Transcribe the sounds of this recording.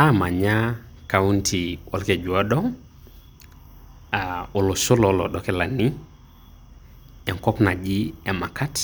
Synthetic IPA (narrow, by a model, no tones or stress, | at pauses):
amaɲakauntʰiwʔalked͡ʒuadɔ | aolosolɔlɔ̰ɗɔkɛlani | ɛŋkɔpnad͡ʒiemakat